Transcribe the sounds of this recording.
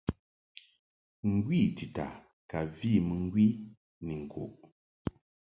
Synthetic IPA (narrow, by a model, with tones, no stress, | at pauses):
ŋ̩˨ɡwi˦˨ti˨ta̰˨ | ka˨vi˦˨mɨ˨ŋ̩˦ɡwi˦ | ni˨ŋ̩˨kʰo̰˨ʔ